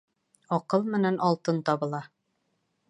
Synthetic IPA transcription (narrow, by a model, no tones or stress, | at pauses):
ɒqɤlˠmɘ̆nænʔɒlˠt̪ɤnt̪ɒβɤ̆lˠɑ